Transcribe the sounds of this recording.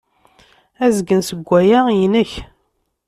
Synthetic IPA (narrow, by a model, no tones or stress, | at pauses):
æzɡənsəɡʷːæjaʁjinəç